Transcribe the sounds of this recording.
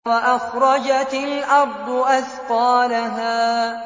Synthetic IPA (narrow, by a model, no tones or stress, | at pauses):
waʔaxɾˤɑd͡ʒat̪ɪlʔɑɾd̪ˤʊʔaθqɑːlaɦaː